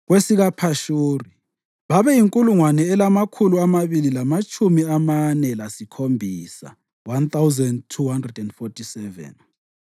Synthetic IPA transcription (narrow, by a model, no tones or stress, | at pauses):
ɣwesiɣapʰaʃuːri | βaβɛjiŋkʼuluŋwanɛːlamakʰuluamaβililamat͡ʃʼʰumiamanɛlasikʰombʱisa̰ | want̪awzɛndtʰːuhandrɛdɛndfɔtʰʼisɛvɛ̰n